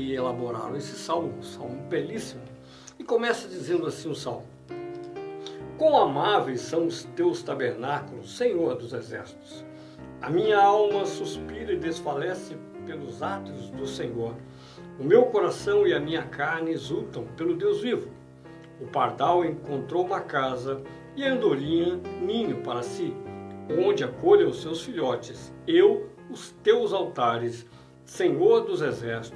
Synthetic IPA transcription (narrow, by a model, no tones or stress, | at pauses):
ɪelaboɾa̰ɾ̃esɪ̥sawmʊsawmʊbɛlisimʊ | ɪkomɛsɐd͡ʒizẽnd̪ʊasĩʊsawmʊ | kõw̃amavejsːɐ̃w̃ʊst̪ewst̪abeɾnakʊlʊsːẽɲoɾd̪ʊzezɛ̰ɾsi̥t̪ʊ̥s | ɐ̰mĩɲɐawmɐsuspiɾɐɪd̪esfalɛsɪpelʊzat̪ʊzd̪ʊsẽɲoɾ | ʊmewkoɾasɐ̃w̃ɪɐmĩɲɐkaɾnɪezut̪ɐ̃w̃pelʊd̪ewzvivʊ | ʊpaɾd̪awẽŋkõnt̪ɾowumɐkazɐ | ɪɐɐ̃nd̪oɾĩɐ̃mĩɲʊpaɾɐsiõnd͡ʒɪakoʎɐ̃ʊsewsfiʎɔt͡ʃɪsew | ʊst̪ewzawt̪aɾɪsː | eɲoɾd̪ʊzezɛɾsi̥t̪ʊ